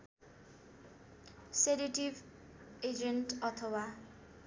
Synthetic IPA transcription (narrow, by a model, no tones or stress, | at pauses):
sedeʈib | ed͡ʒenʈʌt̪ʰʌwa